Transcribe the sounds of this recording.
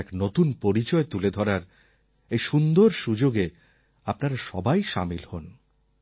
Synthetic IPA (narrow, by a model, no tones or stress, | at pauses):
ɛknot̪unpoɾit͡ɕɔet̪uled̪ʱɔɾaɾ | ejʃund̪oɾʃud͡ʑoɡe | apnaɾaʃɔbajʃa̰milhon